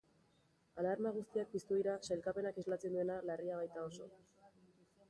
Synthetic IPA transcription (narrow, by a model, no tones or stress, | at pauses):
alaɾmaɣ̞ust̪iak̚pist̪uðiɾasajlkape̞nakezlat͡se̞nd̪ue̞nalariaβ̞ajt̪ao̞so̞̰